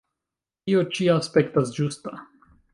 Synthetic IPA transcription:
iot͡ʃiaːspekt̪asd͡ʒust̪a

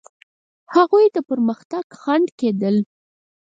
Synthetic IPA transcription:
haɣujd̪əpəɾməxt̪aɡ̥xaɳɖked̪əl

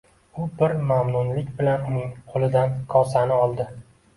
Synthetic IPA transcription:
ʊbɪɾmamnʊnlɪkʲbɪlanʊnɪŋqʰolˠɪd̪ankʰɒsanɪɒlˠd̪ɪ

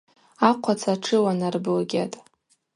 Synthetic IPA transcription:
aqʷʰat͡sʰaʈ͡ʂʰɨwanarbɨlɡʲatʼ

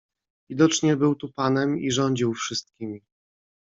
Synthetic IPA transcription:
vʲid̪ɔt͡ʂɲɛbɘwt̪upanɛmiʐɔɲd͡ʑiwfʂɘst̪̚kʲimʲi

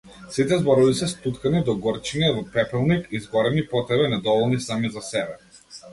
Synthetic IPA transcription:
sit̪ɛzbɔɾɔbisɛst̪ut̪kanid̪ɔɡɔɾt͡ʃiɲɛvɔpɾɛpɛlˠnikizɡɔɾɛnipɔt̪ɾɛbɛnɛd̪ɔvɔlˠnisamizasɛbɛ

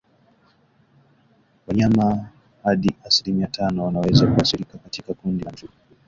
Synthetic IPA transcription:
waɲama | haɗiʔasilimijatʰanɔwanawɛzakuaθilikakatikakundizu

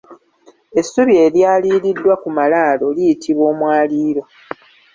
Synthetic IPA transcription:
e̞sːuβie̞ljaːliːlidːwakumalaːlo̞lijitʰiβwo̞ːmwaːliːɾo̞

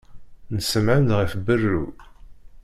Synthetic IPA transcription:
nəsəmʕəmdʁəfbərːu

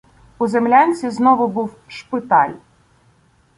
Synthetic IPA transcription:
ʊzemlʲanʲt͡sʲiznɔʋʊbuw | ʃpɪt̪ɑ̰lʲ

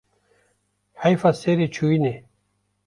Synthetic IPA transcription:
hajfaseɾet͡ɕʰuine

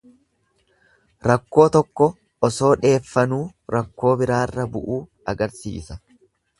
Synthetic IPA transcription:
ɾɐkːo̞ːt̪ɔkːɔ | ɔso̞ːᶑe̞ːfːɐnuːɾɐkːo̞ːbɪɾaːrːɐbʊʔuː | ɐɡɐɾsḭːsɐ̥

